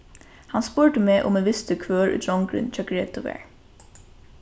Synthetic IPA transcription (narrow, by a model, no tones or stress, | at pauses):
hanspʊɹʈəmeːʔʊ̰meʋɪst̪əkʰvøːɹʊ̰d̪ɹɔŋkɾɪ̰nt͡ʃʰɑːkɹeːt̪ʊʋɛ̰ːɹ